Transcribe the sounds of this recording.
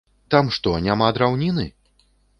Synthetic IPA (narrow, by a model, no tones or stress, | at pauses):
t̪amʂt̪ɔnʲamad̪ɾawnʲinɨ